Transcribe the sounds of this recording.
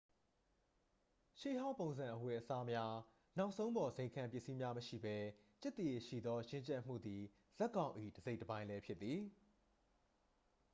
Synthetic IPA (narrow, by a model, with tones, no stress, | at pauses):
ʃḛ˦˨ɦã˦ʊ̃mpõ˨ʊ̃nzã˨ʔəwɛ˨ʔəsa˦mja˦ | nã˦ʊʔsʰõ˦ʊ̃mbɔ˨zẽ˨ɪ̃ŋkʰã˨mpjɪ˦ʔsi˦mja˦məʃḭ˦˨bɛ˦t͡ɕɛ˦t̪ːe˨ʃḭ˦˨d̪ɔ˦jɪ̃˦ɲt͡ɕɛ˦ʔm̥ṵ˦˨d̪ði˨ | z̥ɛ˦ʔkːã˨ʊ̃ʔḭ˦˨dəze˦ɪtːəbã˦ɪ̃lɛ˦pʰjɪ˦t̪t̪ːi˨